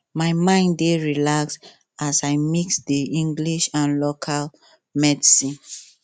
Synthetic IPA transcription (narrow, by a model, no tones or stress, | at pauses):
maɪmãɪ̃ndeɹilaks | asaɪmiksdiĩŋɡliʃãnlokʰal | mɛdisĩn